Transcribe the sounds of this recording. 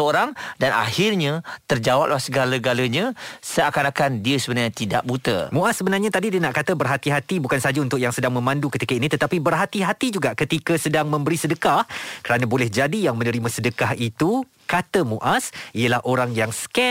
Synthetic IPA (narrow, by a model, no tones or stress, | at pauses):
əoɾaŋdanʔa̰hɪrɲãt̪ərd͡ʒawap̚lahsəɡalaɡaləɲãsəakanakandiəsəbənarɲãt̪ida̰ʔ̚but̪ə̰mũʔasːəbənarɲãt̪adidiənaʔkat̪əbərɦat̪iɦat̪ibukansaɦad͡ʒaunt̪ʊk̚jaŋsədaŋmə̃mãndukət̪ikainĩt̪ət̪apibərɦat̪iɦat̪id͡ʒuɡaʔkət̪ikəsədaŋmə̃mbəɾisədəkahkəɾanãbolɛhd͡ʒadijaŋmə̃nə̃ɾimãsədəkaɦit̪u | kat̪əmũʔasiəlahʔoɾaŋjaŋskɛ